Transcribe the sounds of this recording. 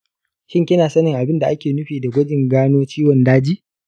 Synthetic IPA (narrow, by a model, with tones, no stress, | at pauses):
ʃɪ˦ŋkʲɪ˦naː˨sɐ˦nɪ˨ŋʔa˨bɪ˦nda˨ʔa˦kʲeː˨nʊ˦ɸiː˨da˨ɡʷɐ˦d͡ʒɪ˨ŋɡaː˦noː˦t͡ʃiː˦wɔ˨ndaː˦d͡ʒiː˦ʔ